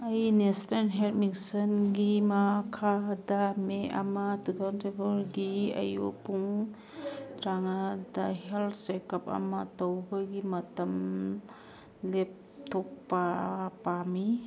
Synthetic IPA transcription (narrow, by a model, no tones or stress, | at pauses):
ɐjnestenɦeltmiksɐnɡimɐkʰadɐmeʔɐ̰mɐtut̪ʰawntɾibulɡiɐ̰jo̰puŋ | tɾaŋadɐheltʰsekɐp̚ɐ̰mɐtɐwbɐɡimɐtɐm | lep̚tʰok̚papami